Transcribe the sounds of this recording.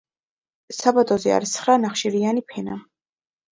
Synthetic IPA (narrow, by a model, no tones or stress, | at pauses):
sabad̪ɔzɛa̰ɾisχɾanaχʃiɾianipʰɛna